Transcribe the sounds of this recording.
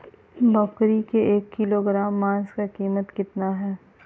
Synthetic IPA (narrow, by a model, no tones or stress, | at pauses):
bɐkɾikeʔeːkːiloɡɾaːmːãːnskakiːmət̪kɪt̪naɦɛː